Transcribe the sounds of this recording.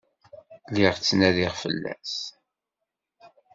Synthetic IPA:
lɪʁt͡sːnæðiʁfə̰lːæ̰s

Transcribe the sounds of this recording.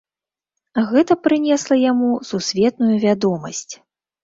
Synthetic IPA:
ɣɛt̪ɐpɾɨnʲɛslˠɐjamususʲvʲɛt̪nujuvʲad̪ɔmɐsʲt͡sʲ

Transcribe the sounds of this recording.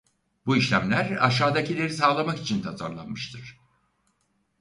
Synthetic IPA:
buiʃlʲæmlʲæɾa̰ʃaːd̪acʰilʲe̞ɾis̬aːlˠamaki̥t͡ʃʰint̪ʰazaɾlˠa̰nmɯʃt̪ʰɯɾ̥

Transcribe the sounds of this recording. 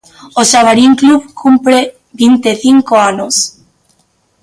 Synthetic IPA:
oʃaβaɾiŋkluβkʰumpɾe | bint̪eθiŋkoanos

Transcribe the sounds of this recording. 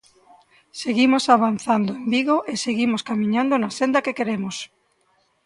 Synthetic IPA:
seɣimosaβ̞anθand̪ʊembiɣoʔeseɣimoskamĩɲãnd̪onasend̪ɐkekeɾemos

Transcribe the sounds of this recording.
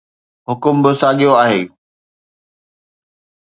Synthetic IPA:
ɦʊkʊmbɪsaːɠijoaːɦeː

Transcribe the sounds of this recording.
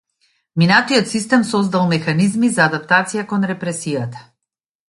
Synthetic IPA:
minat̪iɔt̪sist̪ɛmsɔzd̪alˠmɛxanizmizaːd̪apt̪at̪sijakɔnɾɛpɾɛsijat̪ḁ

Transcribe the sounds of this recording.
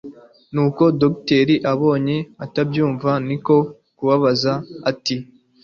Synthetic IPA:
nuːko̞dokte̞ɾiʔaβo̞ːɲe̞atabɟuːɱvaniko̞ | kuβaβazaati

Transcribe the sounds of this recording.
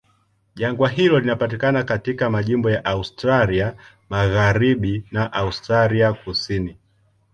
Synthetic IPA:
ʄaŋɡwaɦilɔlinapatikanakatikamaʄimbɔjaʔaustɾalia | maɣaɾiɓinaʔaustɾaliakusini

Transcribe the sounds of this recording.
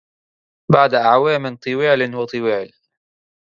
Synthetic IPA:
baʕd̪aʔaʕwaːmɪnt̪ˤɨwɪʕlnhʊt̪ˤɨwɪːʕl

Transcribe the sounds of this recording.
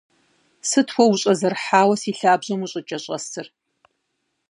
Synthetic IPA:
sɨtʰwʷɔwʊɕʼɐzɐrħaːwɐsiːɬaːbʑɐmuɕʼɪt͡ʃʼɐɕʼɐsʰɨr

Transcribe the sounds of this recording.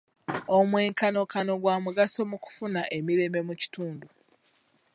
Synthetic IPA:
o̞mwe̞ːŋkano̞kano̞ɡwaːmuɡaso̞muku̥funaʔe̞miɾe̞ːmbe̞muci̥tuːndu

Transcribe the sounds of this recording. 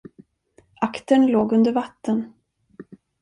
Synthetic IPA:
ʔakt̪əɳloːɡɵnd̪əɾvat̪ːən

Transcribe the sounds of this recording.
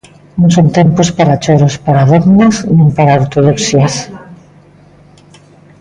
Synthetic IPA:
nõŋsõnt̪empospaɾat͡ʃoɾospaɾaðoɣnesnẽmpaɾaoɾt̪oð̞oksias

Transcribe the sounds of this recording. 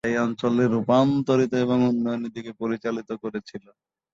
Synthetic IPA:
ejɔnt͡ɕoleɾːupant̪oɾit̪oeβoŋunːɔjonːid̪ikepoɾit͡ɕalit̪okoɾet͡ɕʰilon

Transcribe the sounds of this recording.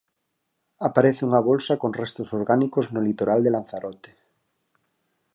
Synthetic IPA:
apaɾeθeuŋaβ̞olsakonrest̪osoɾɣanikoznolit̪oɾald̪elan̟θaɾot̪e̥

